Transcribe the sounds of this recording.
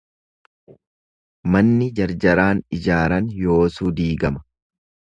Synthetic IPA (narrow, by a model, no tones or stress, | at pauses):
mɐnːɪd͡ʒɐɾd͡ʒɐɾaːnɪd͡ʒaːɾɐnjo̞ːsuːd̪iːɡɐmɐ̥